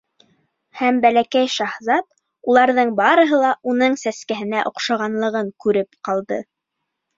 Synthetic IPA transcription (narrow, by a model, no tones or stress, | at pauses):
hæmbælækæjʃɑhzɑt̪̚ | ulˠɑɾðɤɴbɑɾɤ̆ɦɤlˠɑʔunɤɴsæskæɦɘ̆næʔŏqʃɑʁɑnlˠɤ̆ʁɤŋkʉɾɘpqɑlˠd̪ɤ̰